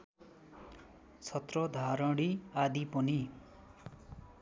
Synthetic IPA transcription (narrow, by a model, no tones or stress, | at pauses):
t͡sʰʌt̪rʌd̪ʱaɾʌ̃ɽiad̪ipʌni